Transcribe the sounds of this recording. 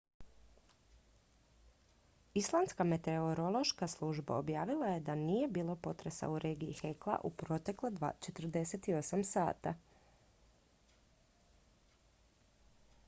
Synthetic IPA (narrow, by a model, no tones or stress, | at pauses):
islˠanskame̞t̪eoɾo̞lˠo̞ʃkaslˠuʒba̰o̞bjaːʋilˠaje̞d̪anije̞biːlˠo̞po̞t̪ɾesa̰uɾe̞ːɡiḭxeklˠa̰ʔupɾo̞t̪e̞klad̪at͡ʃet̪r̩d̪e̞set̪io̞samsa̰ːt̪a̰